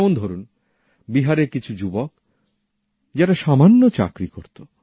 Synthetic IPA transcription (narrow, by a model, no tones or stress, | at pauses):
mond̪ʱoɾun | biɦaɾeɾkit͡ɕʰud͡ʑubok | d͡ʑaɾaʃamanːot͡ɕa̰kɾikoɾt̪o